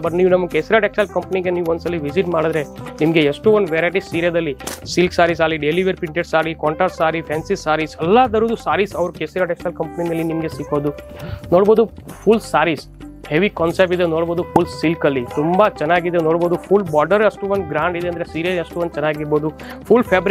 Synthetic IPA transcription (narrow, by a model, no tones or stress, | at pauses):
bɐʈniːʋunɐmːɐkeːsiɾaːʈek̚salkɐmpɐniɡeniːʋuond̪sɐliʋisiʈmaːɽid̪ɾe̞nimɐɡe̞eʂʈuond̪ʋeɾaːjʈ̬isiːɾijɐd̪ɐlːisilksaːɾis̬alːiɖeliʋɐɾpiɳʈeɖsaːɾikɔːɳʈɾaːʈsaːɾipʰeːnsisaːɾisɐlːad̪ɐɾuːd̪usaːɾisɐʋɾukeːsiɾaːʈeksalkɐmpɐninɐlːinimɐɡe̞sikːoːd̪u | noːɽbo̞ːd̪upʰulsaːɾis | heʋikɔːnsep̚ʈid̪enoːɽbo̞ːd̪upʰulssilkɐlːit̪umbɐt͡ʃɛnːaːɡid̪enoːɽboːd̪upʰulbɔːɾɖɐɾɐsʈuond̪ɡɾaːɳɖid̪eɐnd̪ɾesiːɾjɐeʂʈuond̪t͡ʃɛnːaːɡiɾbo̞ːd̪u | pʰulpʰeːbɾ